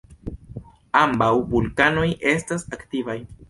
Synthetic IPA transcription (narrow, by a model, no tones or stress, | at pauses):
ambawbulkano̞jʔe̞stasaktivaj